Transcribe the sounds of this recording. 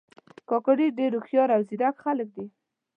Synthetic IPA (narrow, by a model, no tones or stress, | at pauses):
kɑkaɖiɖeɾuxjɑɾawzid̪akxalək̚d̪i